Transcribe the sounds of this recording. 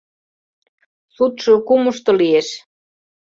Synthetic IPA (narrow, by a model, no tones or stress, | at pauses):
sut̪ʃukumuʃt̪olieʃ